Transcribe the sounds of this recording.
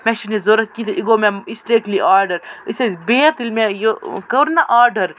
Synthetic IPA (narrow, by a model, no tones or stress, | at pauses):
mɛ̃ʃinizoːɾɐt̪̚kit̪ʰʔiɡomẽisʈeːkliʔaːɾɖɐɾisezbeːɐt̪ilmẽjokɐɾnaʔaːɾɖɐɾ